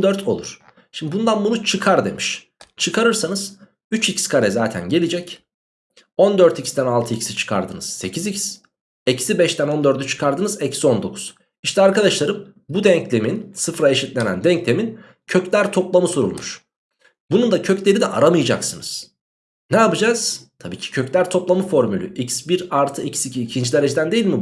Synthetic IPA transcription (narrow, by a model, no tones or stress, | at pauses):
d̪øɾt̪ʰo̞̰lˠuɾ̥ | ʃimd̪ibund̪anbunut͡ʃʰɯkʰaɾd̪e̞̰miʃ | t͡ʃʰɯkʰaɾɯɾsanɯz̥ | yt͡ʃicskʰaɾɛzaːt̪ʰæ̰nɟe̞lʲid͡ʒɛc | o̞nd̪øɾt̪ʰicsd̪ænalˠt̪ʰɯicʰi̥sit͡ʃʰɯ̥kʰa̰ɾd̪ɯnɯz̥se̞cʰizicʰi̥s | ecsibɛʃt̪æno̞nd̪ø̞ɾd̪yt͡ʃʰɯ̥kʰaɾd̪ɯnɯzɛcsio̞nd̪o̞̰kʰu̥z̥ | iʃt̪ʰɛaɾkad̪aʃlˠaɾɯm | bud̪ɛɲclʲe̞minsɯfɾaeʃit̪lʲe̞næ̰nd̪ɛɲclʲe̞min | cʰø̞clʲæɾt̪ʰo̞plˠamɯsuɾṵlˠmuʃ | bunund̪acʰøclʲe̞ɾid̪ɛʔa̰ɾamɯjɯd͡ʒaksɯnɯz̥ | nɛapɯd͡ʒaːz̥t̪ʰabiːcʰi̥cʰøclʲæɾt̪ʰo̞plˠamɯfo̞ɾmylʲy̰ʔicsbiɾalɾt̪ʰɯicʰsicʰiːcʰind͡ʒid̪eɾe̞d͡ʒed̪ænd̪e̞jilʲmi